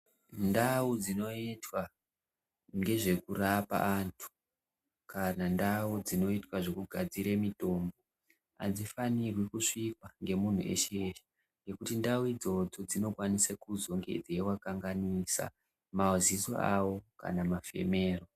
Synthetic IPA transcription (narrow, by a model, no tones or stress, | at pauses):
ndaud͡zino̞itwa | ŋɡe̞ʐe̞kurapa̰ːntʰu̥ | kanandawud͡zino̞itwaʐe̞kuɡʱad͡ziɾemito̞mbo̞ | a̰d͡zifanirwikuʂikwaŋɡe̞mun̤ṵʔe̞̰ʃeʃe̥ | ŋɡe̞kutindauid͡zo̞d͡zo̞d͡zino̞kwanisakuzo̞ŋɡe̞̰d͡zewakaŋɡanisa̰ | mauzizo̰awo̞ka̰namafe̞̰me̞ːro̞